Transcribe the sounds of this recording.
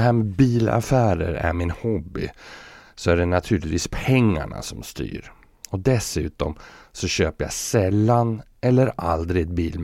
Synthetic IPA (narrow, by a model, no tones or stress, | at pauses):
ɦæːɾmɛbiːla̰fæːɾə̰ɾæ̰ɾmɪnhɔbːɪ | sɔæɖɛnat̪ʰʉːlɪt̪viːspʰɛŋːa̰ɳa̰sɔmst̪y̰ːɾ | ɔd̪ɛsʉ̟ːt̪ɔmsɔɕøːpəɾja̰sɛlːanɛlːəɾald̪ɾɪd̪biːlm